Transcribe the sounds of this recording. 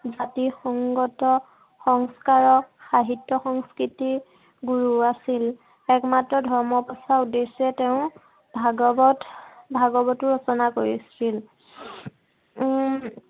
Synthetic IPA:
zatixɔŋɡɔtɔ | xɔŋskaɹɔxaɦitːɔxɔŋskɹiti | ɡuɹuasil | ɛkmatɹɔdʱɔɹmɔpɔsaudesɛteʊ̃ | bʱaɡɔbɔtbʱaɡɔbɔtʊɹɔsɔnakoɹisil

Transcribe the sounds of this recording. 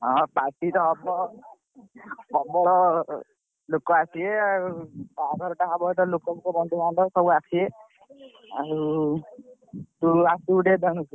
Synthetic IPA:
ɔ̃paɾʈit̪ɔːbɔ | bɔbɔɾɔ | lokɔasʰieaɾubaɡʱɔɾɔʈaɦabɔʈ̪ɔlokɔkukɔbɔnd̪ʱubanʈ̪ɔsɔbuakʰie | a̰ɾu | t̪uasuːɖed̪ɔnusi

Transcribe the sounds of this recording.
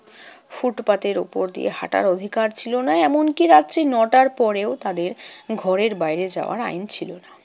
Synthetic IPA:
fuʈpat̪eɾṵpoɾd̪ḭḛha̰ʈa̰ɾod̪ʱikaɾt͡ɕʰilonaɛmonkiɾat̪ːt͡ɕinɔʈaɾpɔɾeot̪ad̪eɾɡʱɔɾeɾbajɾed͡ʑa̰oa̰ɾa̰int͡ɕʰilona

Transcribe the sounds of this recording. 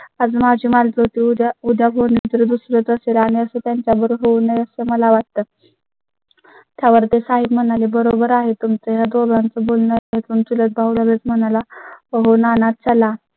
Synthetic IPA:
ad͡zmad͡ʑʱiːmald͡zot̪iud̪ʱjabʱonid͡z̪əɾəd̪usɾət͡səselaɽ̃iəset̪jaɲt͡ɕjabəɾɦownəjəsəməlaʋat̪t̪ə | t̪jaʋəɾt̪esaɦibm̤əñalebəɾobəɾaɦet̪umt͡səɦjad̪ʋobɭant͡səbolnəaɦet̪uːnt̪ulət̪̚bʱaʋuləɾət͡sm̤əñalaəɦonanat̪̚t͡ɕəla

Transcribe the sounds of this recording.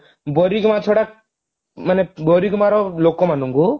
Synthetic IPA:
bɔɾikmat̪ʰoɽak | manebɔɾikɔmaɾɔlokːɔmanuŋɡu

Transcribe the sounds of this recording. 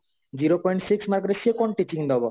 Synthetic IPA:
d͡ʑiɾopɔjɳʈsiksmaɾkɾeʃiekɔnʈit͡ɕiŋd̪ɔbo

